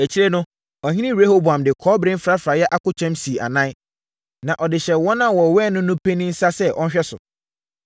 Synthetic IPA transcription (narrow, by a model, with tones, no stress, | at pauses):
æ˨t͡ɕʰi˦ɾe˦nʊ̃˦ | ɔ˨hĩ˦nĩ˦ɾe˦ho˦bu˨ã˨mdɪ˨kʰɔː˦bɾɪ̃˦n˦fɾa˦fɾa˨jɛ˦ʔa˦kʊ˦t͡ɕʰᶣɛ̃˦msi˨ʔa̰˨nã˦ | nã˨ʔɔ˨dɪ˨ɕɛ˨wɔ̃˦nã˦wɔ˨wɛː˦˨nʊ̃˦nʊ̃˦pʰe˦nĩ˦n̩˦sa˦sɛ˦ʔɔ˦n˦ɕᶣɛ˦sʊ̰˨